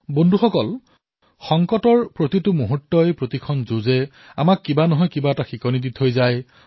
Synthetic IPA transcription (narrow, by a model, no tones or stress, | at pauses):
bondʱuxɔkɔl | xɔŋkɔtɔɹpɹotitʊmuɦutːɔjpɹotikʰɔnzozɛ | a̰makːibanɔɦɔjkibaɛtaxikɔniditɦojzaj